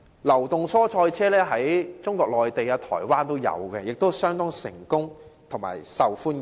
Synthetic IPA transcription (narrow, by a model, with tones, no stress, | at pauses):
lɐ˨˩wt̪ʊ˨ŋsɔː˥t͡sʰɔː˧jt͡sʰɛː˥lɛː˥ɦɐ˨˥jt͡sʊ˥ŋkʷɔː˧k̚lɔː˨jt̪e˨jaː˧t̪ʰɔ̰ː˨˩jwaː˥nt̪o˥wjɐ̰˨˧wkɛː˧jɪ˨k̚t̪o˥wsœː˥ŋt̪ɔː˥ŋsɪ̰˨˩ŋkʊ˥ŋt̪ʰʊ˨˩ŋma̰ː˨˩jsɐ˨wfuː˥n